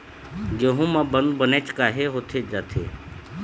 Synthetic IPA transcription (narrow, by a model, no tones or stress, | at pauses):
ɡeɦũmãbənd̪bənet͡ʃkaːɦeɦot̪ʰed͡ʒaːt̪ʰḛ